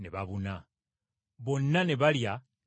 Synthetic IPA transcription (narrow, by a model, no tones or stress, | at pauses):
neβaβuna | βo̞nːaneβalja